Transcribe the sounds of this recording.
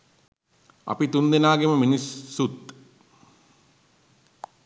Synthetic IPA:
ɐ̰pit̪und̪enaːɡeməminisːut̪

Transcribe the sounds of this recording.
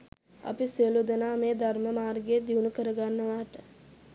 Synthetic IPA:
a̰pisiəlud̪ənaːmeːd̪arməmaːrɡed̪iunukəɾəɡanːəʋaːʈə

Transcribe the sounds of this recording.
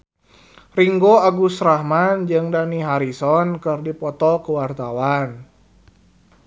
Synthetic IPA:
riŋɡoaɡusɾahmand͡ʒɨŋdaniɦaɾisɔnkɨrdipɔt̪ɔkəwart̪awan

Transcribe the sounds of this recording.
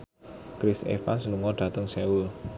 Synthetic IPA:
kɾisḛfa̰nsnuŋɔɖ̥ä̤t̪əŋsɛul

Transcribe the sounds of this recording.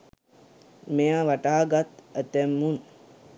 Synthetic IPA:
mejaʋaʈaːɡat̪æt̪ɛmːun

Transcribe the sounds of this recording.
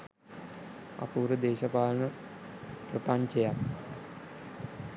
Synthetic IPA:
a̰puːɾəd̪eːʃɐpaːlnə | prəpaɲt͡ʃejak

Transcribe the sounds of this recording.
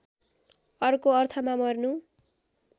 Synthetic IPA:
ʌrkoʌrt̪ʰʌmamʌrnu

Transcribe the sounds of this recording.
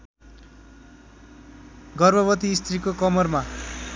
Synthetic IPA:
ɡʌrbʱʌbʌt̪iːst̪rikokʌmʌrma

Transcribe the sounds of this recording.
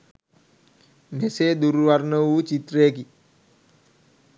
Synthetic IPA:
mesed̪uɾʋarnəuːt͡ʃit̪ɾeːki

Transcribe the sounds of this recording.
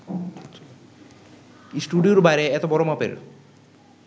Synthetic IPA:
isʈuɖioɾbajɾeɛt̪obɔɾomapḛɾ

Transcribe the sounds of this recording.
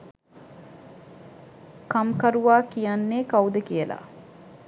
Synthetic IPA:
kamkɐɾuʋaːkijanːeːkɐud̪ekiela̰

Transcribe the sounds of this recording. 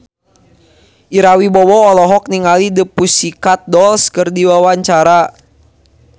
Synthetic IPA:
ʔiɾawibɔwɔːlɔɦɔk̚niŋalidəpusikat̪̚dɔlskərdiwawaɲt͡ʃaɾa

